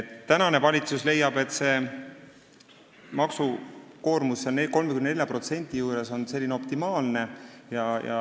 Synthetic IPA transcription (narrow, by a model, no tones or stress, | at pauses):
et̪ːænɑne̞vɑlʲit̪susle̞jɑb̥e̞t̪ːˑse̞ | mɑksuko̞ːrmusːɑneko̞lmekymnnelʲjɑpro̞t̪se̞nʲt̪ʲijuːɾe̞so̞nse̞lːineo̞pt̪imɑːlne̞jɑjɑ̰